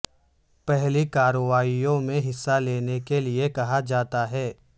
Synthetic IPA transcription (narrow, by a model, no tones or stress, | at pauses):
pɛɦlikaːɾəʋaːijõmẽɦɪsːaleːnekeliekɐɦad͡ʒaːt̪aɦɛː